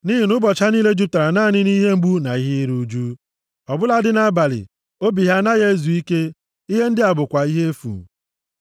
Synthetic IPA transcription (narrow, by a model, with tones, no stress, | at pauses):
niː˦ɦi˨nʊ˦bɔ˨t͡ʃa˦niː˦le˦d͡ʒu˦p̚ta˨ɾa˨na˦˨nɪ˦ni˦ɦe˦ŋ͡m̩˦ɡ͡bu˦na˨i˦ɦi˦ɾu˦d͡ʒu˦ | ɔ˨bʊ˦la˦dɪ˦na˦a˦ba˨lɪ̰˨ | o˦bi˨ɦa˦na˦ɣe˦zu˨i˦ke˦ | i˦ɦe˦n̩˦dɪ˦a˨bʊ˨kʷa˨i˦ɦe˦e˦fṵ˨